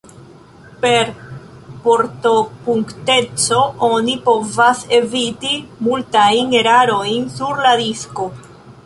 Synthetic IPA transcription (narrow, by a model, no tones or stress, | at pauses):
pe̞ɾ | po̞ɾto̞puŋkte̞t͡so̞o̞nipo̞vase̞vitimultajne̞ɾaɾo̞jnsuɾladisko̞